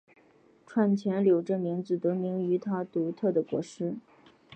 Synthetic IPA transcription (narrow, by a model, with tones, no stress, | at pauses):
ʈ͡ʂʰwa˥˩nt͡ɕʰjɛ˧˥nljo˨˩ʊʈ͡ʂə˥˩mi˧˥ŋd͡zɹ̩˧˩t̪ɤ˧˥mi˧˥ŋy˧˥t̪ʰa˥t̪u˧˥t̪ʰɤ˥˩d̪ə˩kwɔ̰˧˥ʂɻ̩˥